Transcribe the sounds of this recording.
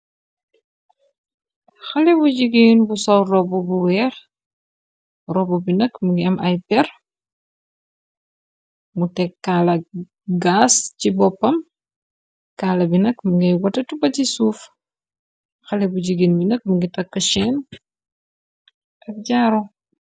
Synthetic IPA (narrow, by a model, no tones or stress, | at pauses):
xɐlɛbuɟiɡiːnbusɔwrɔbubuwɛɾ | rɔbubinɐkmuɡiɛmʔɐjpɛɾ | mutɛkːaːlɐ | ɡascibɔpːɐm | kaːlɐbinɐkmuŋɡɛjwɐtɐtubɐcisuːf | xɐlɛbuɟiɡiːnbinək̚məŋɡitɐkːɐʃɛːn | ɐk̚ɟaɾo